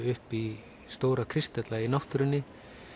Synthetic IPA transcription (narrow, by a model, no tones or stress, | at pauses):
ʏhpi | st̪oːwɾakʰɾɪst̪ɛt̪lainawht̪ʏɾʏnːɪ